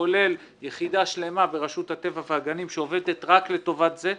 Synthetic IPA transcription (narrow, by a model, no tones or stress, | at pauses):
ole̞l | jeχid̪aʃle̞mabe̞ʁaʃut̪hat̪e̞vaveaɡanimʃeo̞ve̞d̪et̪ʁakle̞to̞vat̪ze̞